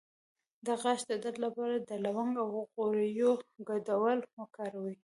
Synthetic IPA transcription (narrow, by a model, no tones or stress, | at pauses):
d̪əɣaʃd̪əd̪ad̪lapɑɾad̪əlawaŋɡawɣoɾəjoɡad̪awəlmʊkɑɾawi